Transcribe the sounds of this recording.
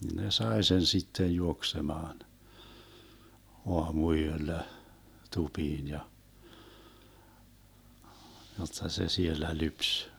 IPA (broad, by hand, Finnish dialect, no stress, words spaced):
ne sɑe sen sitːej juoksemɑːn oɑmuyølːæ tupiːn jɑ jotːɑ se sielːæ lyps